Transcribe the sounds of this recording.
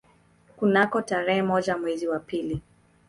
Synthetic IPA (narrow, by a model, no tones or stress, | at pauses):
kunakɔtaɾɛhɛmɔd͡ʒamwɛziwapili